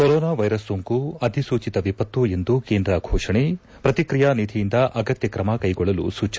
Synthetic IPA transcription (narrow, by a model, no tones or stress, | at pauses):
koɾɔːnaːʋɐjɾɐsːoŋkuɐd̪ʱisuːt͡ʃit̪ɐʋipɐt̪ːue̞nd̪uke̞ːnd̪ɾɐɡʱɔːʂɐɳe | pɾɐt̪ikɾijanid̪ʱijind̪ɐʔɐɡɐt̪jɐkɾɐmɐkɐjɡɔɭːɐlṵsuːt͡ʃːɐ